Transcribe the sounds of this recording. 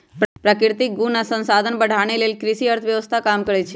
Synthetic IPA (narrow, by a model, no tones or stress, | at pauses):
ppɾəkɪɾt̪ik̚ɡunasə̃nsad̪ʱənbəɽ̤ʱaɽ̃eləjlkɾɪʃiəɾt̪ʰəʋjəʋəst̪ʰakamkəɾet͡ʃʰe